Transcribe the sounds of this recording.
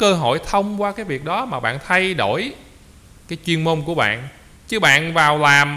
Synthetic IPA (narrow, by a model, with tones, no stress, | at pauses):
kəː˧ɦo̰˧˨jt̪ʰə˧wŋ͡mkwaː˧kaː˨˦jvi˨˩ək̚ɗɔ˨˦maː˨˩ɓa̰ː˧˨nt̪ʰa˧jɗo˧˩˨j | kaː˨˦jt͡ɕwi˧ənmo˧nku˧˩əɓa̰ː˧˨n | t͡ɕɨ˨˧˥ɓa̰ː˧˨nvaː˨˩wlaː˨˩m